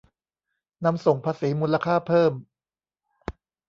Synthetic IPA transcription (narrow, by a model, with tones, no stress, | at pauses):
na˧mso˨˩ŋpʰaː˧siː˩˦muː˧nla˧kʰaː˥˩pʰɤː˥˩m